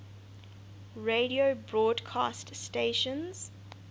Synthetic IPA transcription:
ɹeɾiobɹɔːdkʰaststeʃə̃nz̥

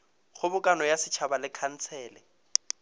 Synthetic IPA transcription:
χʊbʊkʼanɔjasɪt͡ʃʰabalɪkʰan̩t͡sʰɛːlɛ

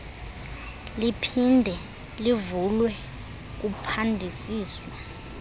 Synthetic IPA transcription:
lipʰindʱɛ | livulwɛ | k̬upʰandʱisiːswa

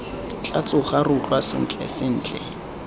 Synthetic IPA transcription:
t͡ɬʼat͡sʼʊχarʊt͡ɬʼwasɪ̰n̩t͡ɬʼɛ̰sɪn̩ːt͡ɬʼɛ

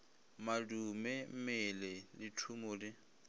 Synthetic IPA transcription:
madumɛm̩mɛlɛlɪtʰumʊlɪ

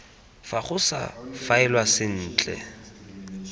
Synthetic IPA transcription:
faχʊsa̰faɛlwasɪn̩ːt͡ɬʼɛ̰

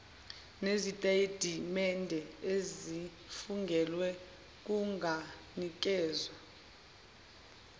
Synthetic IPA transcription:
nezitʼed̥ʱimɛndʱɛezi | fuŋɡʱɛlwɛ | k̬uŋɡʱa | nik̬ɛːzwa

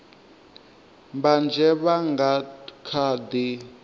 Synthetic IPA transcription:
mband͡ʒʱɛβaŋɡakʰaːdi

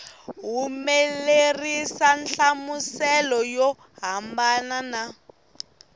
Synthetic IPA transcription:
ɦumelerisanɬamusɛlɔjɔ | ɦambanana

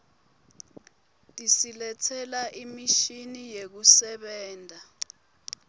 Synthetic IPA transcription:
tʼisilɛtʰɛlaʔimiʃinijek̬usɛɓɛːndʱa

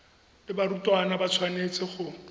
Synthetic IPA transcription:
lɪbaɾutʼwanabat͡sʰwanet͡sʼɪχʊ

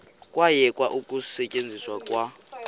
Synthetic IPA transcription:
kʼwajɛkʼwaʔukʼusɛcʼend͡zʱiswakʼwa

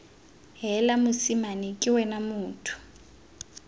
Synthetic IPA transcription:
ɦɛlamʊsimanikʼɪwɛnamʊːtʰu̥

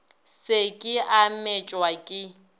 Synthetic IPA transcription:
sekʼɪʔamet͡ʃʼwakʼɪ

